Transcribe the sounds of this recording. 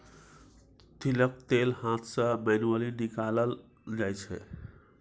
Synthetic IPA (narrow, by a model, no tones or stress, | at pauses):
t̪ilək̚t̪elhãt̪ʰsə̃menuəlinikaləl | d͡ʒajt͡ʃʰɛ̰